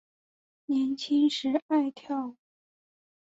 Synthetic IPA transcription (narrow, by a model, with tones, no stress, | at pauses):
njɛ˧˥nt͡ɕʰi˥ŋʂɻ̩˧˥a˥˧ɪt̪ʰjɑ˥˩ʊ